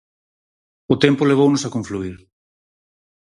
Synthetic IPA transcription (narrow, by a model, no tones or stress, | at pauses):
ʊt̪ɛmpʊleβ̞ownʊsakõɱfluiɾ